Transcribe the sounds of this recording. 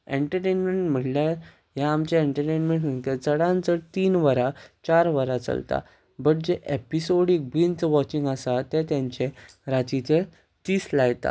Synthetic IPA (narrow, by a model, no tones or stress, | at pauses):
eɳʈəɾʈenmeɳʈm̤əʈlja | jãːmt͡ɕeeɳʈəɾʈenmẽɳʈm̤əɳt̪et͡səɽãnt͡sət̪iːnʋəɾat͡ɕaɾʋəɾat͡sə̰lt̪a̰ | bəʈ̚d͡ʑeʔepisoɽik̚bint͡sʋɔt͡ɕĩŋɡasat̪et̪jãɲt͡ɕe | ɾatit͡se | t̪iːslajt̪a̰